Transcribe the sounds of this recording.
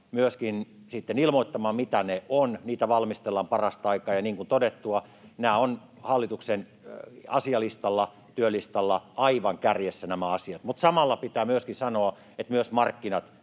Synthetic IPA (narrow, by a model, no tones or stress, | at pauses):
myøskin | sit̪ːenilmoit̪ːɑmɑːmit̪æneonniːt̪æʋɑlmist̪elːɑmpɑrɑst̪ɑikɑːjɑniːŋkunt̪odet̪ːuɑ | næːon | hɑlːit̪uksen | ɑsiɑlist̪ɑlːɑ | t̪yølist̪ɑlːɑɑiʋɑŋkærjesːænæmæɑsiɑt̪mut̪sɑmɑlːɑpit̪æːmyøskisɑnoɑ | et̪myøsmɑrkːinɑt̪